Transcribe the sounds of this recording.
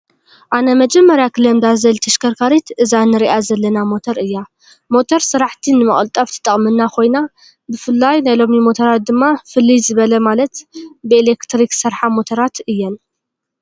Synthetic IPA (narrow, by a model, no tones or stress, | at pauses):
ʔanɐmɐd͡ʒɛmːɐɾjakʰɨlɐmd̪azɐlt̪ʰɐʃkʰɐɾkʰaɾit̪ʔɨzanːɨɾiʔazɐlːɐnamo̞t̪ʰɐɾɨjːa | mo̞t̪ʰoɾsɨɾaħt̪ʰinɨmɐχʼlt̪ʼɐft̪ʰɨ̥t̪ʼɐχʼmɨnːakʰo̞jna | bɨfɨlːajnajlo̞mimo̞t̪ʰoɾat̪̚d̪ɨmːafɨlːizɨβɐlɐmalɐt̪bɨelekt̪ɾiksɨɾħamo̞t̪ʰɐɾat̪ɨjːɛn